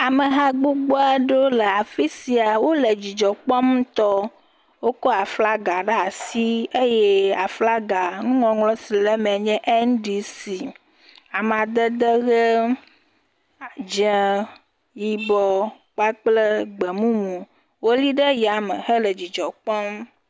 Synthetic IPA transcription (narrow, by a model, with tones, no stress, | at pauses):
a˨mə˨ɦa˦ɡ͡bu˦ɡ͡bo˦a˦ɖo˦le˨a˨fi˦si˨a˨wo˦le˨d͡ʑi˨d͡ʒɔ˨k͡pɔ˦mũ˦t̪ɔ˦ | wo˦kɔ˦a˨fla˦ɡa˨ɖə˦a˨si˦e˦jɛ˦a˨fla˦ɡa˨nũ˦ŋɔ̃˨ŋlɔ̃˦si˨lɛ˦mɛ̃˨ɲɛ̃˦ʔe˦ñ˦ɖi˨si˨ | a˨m˨ã˨d̪ə˦d̪ə˦ɣə˦ | a˨d͡ʒɛ˨ | ji˨bɔ˨ | k͡pa˦k͡plə˦ɡ͡bɛ˨mũ˦mũ˨ | wo˦li˦ɖə˦ja˨mə̰˨hə˦lə˨d͡ʑi˨d͡ʒɔ˨k͡pɔ˦m˦